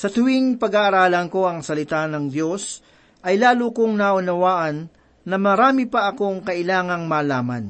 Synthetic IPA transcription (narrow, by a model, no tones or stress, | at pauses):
sɐt̪ʊwiŋpɐɡaʔɐɾaːlɐnko̞ʔɐŋsɐlɪt̪anɐŋd̪jo̞s | ʔɐjlaːlokoŋnaʔʊnɐwaːʔɐnː | ɐmɐɾaːmipɐʔɐko̞ŋkɐʔɪlaːŋɐŋmaːlaːmɐ̰n